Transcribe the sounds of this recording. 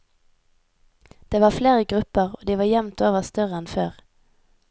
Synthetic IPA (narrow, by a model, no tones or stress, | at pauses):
d̪̥eːʋɑːfleːʁəɡʁʉpəʁoːd̪iːʋɑːjɛmt̪oːʋəʁst̪œʁəɛnføːʁ